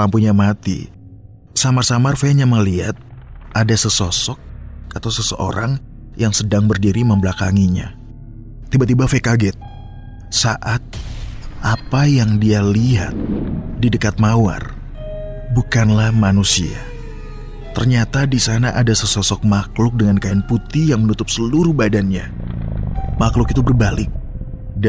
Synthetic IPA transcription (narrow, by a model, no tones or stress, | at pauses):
ampuɲamat̪ḭ | samarsamarfeɲaməliɦat̪̚ʔadasəsɔsɔk̚ːat̪awsəsəʔo̰ɾʔaŋ | jaŋsədaŋbərdiɾiməmbəlakaŋiɲa̰ | t̪ibat̪ibafekaɡɛt̪̚ | saʔat̪̚ʔapajaŋdialiɦa̰t̪̚didəkat̪̚mawa̰r | bukanlahmanusia̰ | t̪ərɲat̪adisanaʔadasəsɔsɔk̚maklʊk̚dəŋankaɛnput̪ijaŋmənut̪ʊp̚səluɾuhbadanɲa̰ | maklʊkit̪ubərbalɪk̚ | d